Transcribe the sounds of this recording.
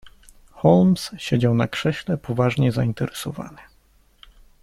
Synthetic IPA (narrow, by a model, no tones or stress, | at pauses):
xɔlmsɕed͡ʑawnakʂɛɕlɛpʰɔvaʐɲɛzaint̪ɛɾɛsɔva̰nɘ